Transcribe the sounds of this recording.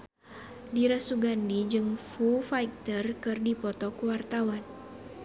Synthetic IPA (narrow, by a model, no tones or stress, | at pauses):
diɾasuɡandid͡ʒɨŋfufajk̚t̪ərkɨrdipɔt̪ɔkəwart̪awan